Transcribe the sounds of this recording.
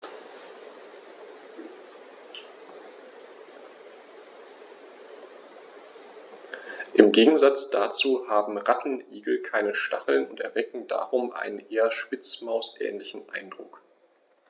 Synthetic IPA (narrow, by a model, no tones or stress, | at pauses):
ʔɪmɡeːɡŋ̩zat͡sd̥at͡suːhaːbm̩ʁatn̩ʔiːɡl̩kʰaɪnəʃtaχl̩nʊntɛɐvɛkŋ̩da̰ːʁʊmʔa̰ɪnənʔeːɐʃpɪt͡smaʊsʔɛ̰ːnlɪçn̩ʔa̰ɪndʁʊ̰k